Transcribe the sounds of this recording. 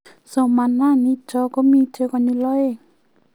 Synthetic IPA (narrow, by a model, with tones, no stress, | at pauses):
sɔ˧ma˧˨nːa˦˥˨ni˧˦t͡ʃɔ˧˦kɔ˧˦miː˧tʰe˧kɔ˧ni˧lɔ˦˨e˧˨